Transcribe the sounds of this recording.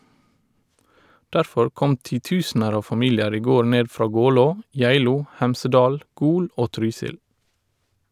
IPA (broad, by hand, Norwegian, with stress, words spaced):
ˈdæɾfɔɹ ˈkɔm tiːˈtʉːsnəɾ ˈɑːʋ fɑˈmiːljəɾ ˈiː ˈɡoː ˈɳeː ˈfɾɑː ˈɡɔloː ˈjæɪluː ˈhæmsəˌdɑːl ˈɡuːl ˈʔoː ˈtɾyːsɪl